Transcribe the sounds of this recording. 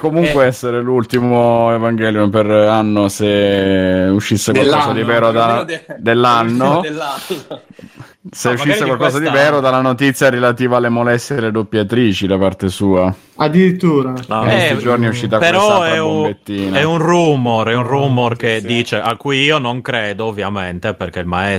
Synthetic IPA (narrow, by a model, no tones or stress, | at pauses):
komuŋkweɛsːeɾelult̪imoevaŋɡɛljumperanːose | uʃːisːekwwalkɔːzad̪ivɛːɾod̪ad̪elːanːo | seuʃːisːekwalkɔːs̬ad̪ivɛːɾod̪alanot̪it̪sːjaɾelat̪iːvaːlːemolɛst̪jeelːed̪opːjat̪ɾiːt͡ʃid̪apart̪esuːa | ad̪iɾit̪ːuːɾaaest̪id͡ʒorniɛuʃːiːt̪̬akpeɾɔɛɾuomet̪ːiːnaɛunrumorɛunruːmorked̪ːiːt͡ʃeʔakːujiːonoŋkɾeːd̪oːvːjament̪eperkeilmaɛ